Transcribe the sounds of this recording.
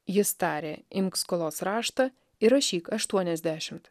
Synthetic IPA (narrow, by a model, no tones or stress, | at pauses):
jɪst̪ɑːɾʲeːɪmʲkskɔlˠoːsɾɑːʃt̪ɐ | ɪɾɐʃʲiːkɐʃt̪uɔnʲɛzʲd̪ʲæʃʲɪmt̪